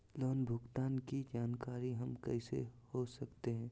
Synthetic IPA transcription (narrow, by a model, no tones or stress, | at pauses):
lɔːnbʱʊɡt̪aːnkid͡ʒaːnkaːɾiɦɐmkɛ̰ːsḛhosɐkt̪eɦɛ̃ː